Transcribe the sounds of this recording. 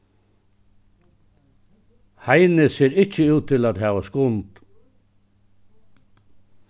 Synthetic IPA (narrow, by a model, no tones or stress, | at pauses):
hajnəseːɾɪt͡ʃːəʉːt̪ʰːɪlaːt̪ɦɛːʋaskʊnt̪